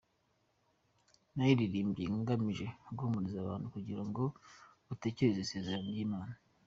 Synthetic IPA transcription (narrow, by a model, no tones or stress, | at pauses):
najiɾiɾiːmbɟiŋɡamiʒe̞ɡuhumuɾizaβaːnhukuɟiɾaŋɡo̞ | ute̞ce̞ɾezese̞ːzeɾanjiːmaːna